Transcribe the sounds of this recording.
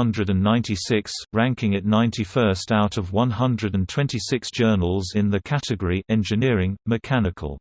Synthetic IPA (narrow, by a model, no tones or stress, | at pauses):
ʌ̃ndɹədə̃nːãɪ̃ntisɪksɹæ̃ŋkɪ̃ŋɨʔⁿnãɪ̃ntʰifɜˑstaʊtəvwʌ̃nɦʌ̃ndɹədə̃ntʰw̥ɛ̃ntisɪksd̥ʒ̥ɜːnəlˠzɪ̃nðəkʰatɨɡəɹiʔɛ̃nd͡ʒɨnɪəɹɪ̃ŋmɨkʰanɪkʰə̰lˠ